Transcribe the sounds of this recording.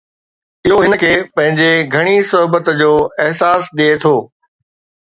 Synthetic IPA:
ɪɦoɦɪnəkʰeːpɐ̃ɦɪ̃ɲd͡ʑeɡʱɐɽ̃isʊɦbət̪d͡ʑoːɪɦsaːsɗiet̪ʰoː

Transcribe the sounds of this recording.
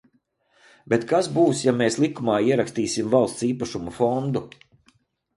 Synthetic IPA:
bʲet̪kasbuːsjameːslˠikumɑːiɛɾakst̪iːsimvalˠst̪siːpaʃumufɔnd̪u

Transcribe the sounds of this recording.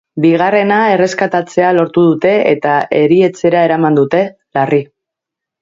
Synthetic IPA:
biɣ̞are̞nae̞re̞skat̪at͡se̞alo̞ɾt̪uð̞ut̪e̞ḛt̪ae̞ɾie̞t͡se̞ɾae̞ɾamand̪ut̪e̞ | lari

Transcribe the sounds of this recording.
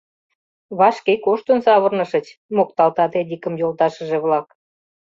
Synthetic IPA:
βɑʃkekoʃt̪ənsɑβərnɤ̆ʃə̆t͡ɕmokt̪ɑlt̪ɑt̪ed̪ʲikəmjolt̪ɑʃə̆ʒeβlɑk

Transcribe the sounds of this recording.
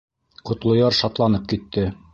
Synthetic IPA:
qŏt̪lˠŏjɑɾʃɑt̪lˠɑnɤp̚kit̪ːɘ

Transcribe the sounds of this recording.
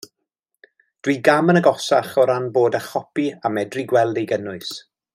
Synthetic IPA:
d̥wiːɡamənəɡɔsaχɔɾanboːdaχɔpiamɛdriɡwɛlˠdejɡənʊɨs

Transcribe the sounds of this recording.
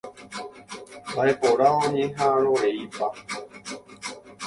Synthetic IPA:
baepoɾaõɲẽɦãɾoɾeipa

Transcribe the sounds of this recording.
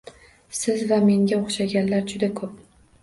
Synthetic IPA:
sɪzvame̞ŋɡʲaoχʃaɡʲanlaɾd͡ʒʊd̪akʰɵp̚

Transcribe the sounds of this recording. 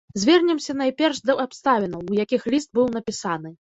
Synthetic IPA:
zʲvʲɛrnʲɛmsʲɐnajpʲɛrʂd̪ɐapst̪avʲinɐwwjakʲixlʲist̪̚bɨwnɐpʲisanɨ

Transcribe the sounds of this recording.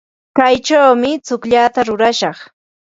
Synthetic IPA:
kajt͡ʃawmɪt͡sʊkʎaːt̪aɾʊɾaʃɑχ

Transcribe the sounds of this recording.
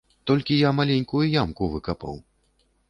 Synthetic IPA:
t̪ɔlʲkʲijamalʲenʲkujujamkuvɨkapa̰w

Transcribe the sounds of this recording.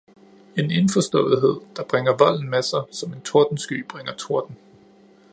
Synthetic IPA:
e̝ne̝nfɒ̽sd̥ɔ̰̽ːð̩ˠɦe̝ð̞̰ˠd̥ɑ̈b̥ʁaŋɐʋɒ̽l̰n̩mesɑɪsɒ̽me̝nt͡sʰo̝ɐd̥n̩sɡ̥y̰ːb̥ʁeŋɐt͡sʰo̝ɐd̥n̩

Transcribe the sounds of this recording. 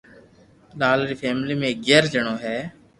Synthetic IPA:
laːlɾiːpʰɛːmliːmẽɡeːɾd͡ʒəɳõːɦɛː

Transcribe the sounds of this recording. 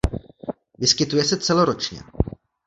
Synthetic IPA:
vɪskɪt̪ujɛsɛt͡sɛlo̞ɾo̞t͡ʃɲɛ̰

